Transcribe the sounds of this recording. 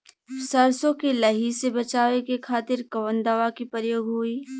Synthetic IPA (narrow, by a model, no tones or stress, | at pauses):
sɐɾsõkelɐɦisebɐt͡ʃaːʋekekʰaːt̪ɪɾkɐʋənd̪aʋakipəɾjoːɡɦoiː